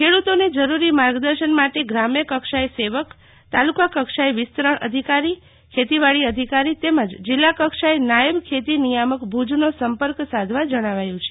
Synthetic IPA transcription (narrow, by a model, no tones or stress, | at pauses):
kʰeɽut̪oned͡ʒəɾuɾimaɾɡd̪əɾʃənmaʈeɡɾamjəkəkʃajseʋək | t̪alukakəkʃajʋɪst̪ɾəɳʔə̰d̪ʱikaɾi | kʰet̪iʋaɭiəd̪ʱikaɾit̪eməd͡ʒd͡ʒɪlːakəkʃajnajəbkʰet̪inijaməkbʱud͡ʒnosəmpəɾksad̪ʱʋad͡ʒəɽ̃aʋajũt͡ʃʰe̥